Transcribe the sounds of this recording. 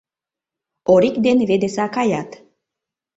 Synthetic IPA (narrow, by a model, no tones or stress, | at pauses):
oɾikd̪enβed̪esɑkɑjɑt̪